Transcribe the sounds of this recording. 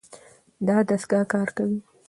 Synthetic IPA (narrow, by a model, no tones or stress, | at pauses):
d̪ɑd̪asɡɑkɑɾkawi